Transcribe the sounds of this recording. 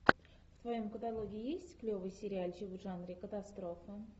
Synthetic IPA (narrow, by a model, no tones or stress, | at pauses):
ft̪vajo̞mkət̪alˠoɡʲɪɪjesʲtʲklʲo̞vɨjsʲɪɾʲɪalʲʒivuʐanɾʲɪkət̪ast̪ɾofə